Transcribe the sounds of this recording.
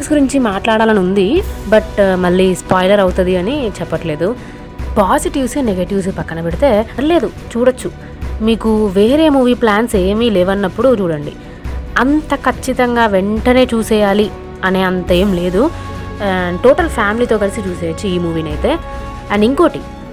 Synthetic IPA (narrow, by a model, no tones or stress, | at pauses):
sɡuɾiɲt͡ʃimaːʈlaːɽaːlɐnund̪ibɐʈmɐɭːiːspaːjlɐɾɐwt̪ɐd̪iɐnit͡ʃɛpːɐʈle̞ːd̪u | paːsiʈiʋsneɡeʈiʋs̬pɐkːɐnɐpeɽit̪e̞ːle̞ːd̪ut͡ʃuːɽɐt͡ʃːu | miːkuʋe̞ːɾe̞ːmuːʋiːplaːnse̞ːmilɛːʋɐnːɐpːuɽut͡ʃuːɽɐɳɖḭ | ɐnt̪ɐkʰɐt͡ʃːit̪ɐŋɡaːʋeɳʈɐne̞ːt͡ʃuːsɛːjaːli | ɐneːɐnt̪ɐe̞ːmile̞ːd̪u | ʈoːʈɐlpʰaːmiliːt̪o̞ːkɐlisit͡ʃuːsɛːʋɐt͡ʃːuiːmuːʋiːnɐjt̪e̞ː | ɐɳɖiŋko̞ːʈi